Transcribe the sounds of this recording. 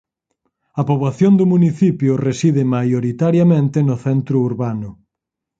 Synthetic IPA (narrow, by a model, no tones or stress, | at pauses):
ɐpoβlaθjond̪ʊmuniθipjʊresiðɪmajoɾit̪aɾjamẽnt̪enʊθɛnt̪ɾʊuɾβanʊ